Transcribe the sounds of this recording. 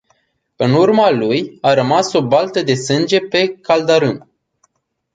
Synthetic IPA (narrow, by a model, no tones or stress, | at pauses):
ɨnurmalujaɾəmaso̞balt̪əd̪e̞sɨnd͡ʒe̞pe̞kald̪aɾɨn